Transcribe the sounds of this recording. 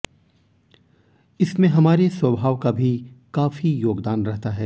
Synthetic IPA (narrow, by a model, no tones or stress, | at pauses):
ɪsmẽɦɐmaːɾeswɐbʱaːʋkabʱikaːfijoːɡd̪aːnɾɛɦt̪aɦɛː